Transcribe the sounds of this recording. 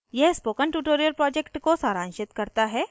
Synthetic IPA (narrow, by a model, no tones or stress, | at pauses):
jɛɦspoːkəɳʈuːʈoːɾijəɾpɾɔːd͡ʒekʈkosaːɾãːnʃɪt̪kɐɾt̪aɦɛː